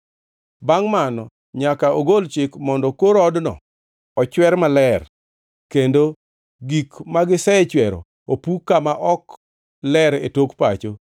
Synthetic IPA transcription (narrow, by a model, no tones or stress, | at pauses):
baŋmanɔ | ɲakaoɡolt͡ʃɪkmɔndɔkoɾɔdnɔ̰ | ɔt͡ʃwɛɾmalɛr | kendo | ɡikmaɡɪsɛt͡ʃwɛɾɔ̰ | opukːamaʔɔk | lɛɾetokpat͡ʃo